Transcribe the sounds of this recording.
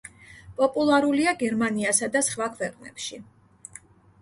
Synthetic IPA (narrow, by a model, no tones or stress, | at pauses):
pʼɔpʼulˠaɾuliaɡɛɾmaniasad̪asχvakʰvɛqʼnɛ̰pʃi